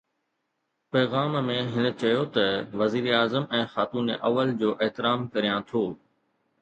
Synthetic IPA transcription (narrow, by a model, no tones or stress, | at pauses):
pɛːɣaːmmẽɦɪnə̆t͡ɕɐjot̪ɐʋɐziːɾaːzəmɛ̃ːxaːt̪uːnḛʔɐʋəld͡ʑoːʔeɦt̪ɪɾaːmkɐɾijãt̪ʰoː